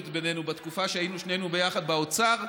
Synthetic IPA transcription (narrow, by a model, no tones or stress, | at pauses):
t̪be̞ne̞nubat̪kufaʃeainuʃne̞nube̞jaχad̪̚baot͡saʁ